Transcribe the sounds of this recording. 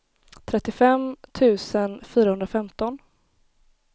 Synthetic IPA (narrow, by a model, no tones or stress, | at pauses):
t̪ʰɾɛt̪ːɪfɛmt̪ʰʉ̟ːsənfyːɾahɵnd̪ɾafɛmt̪ɔn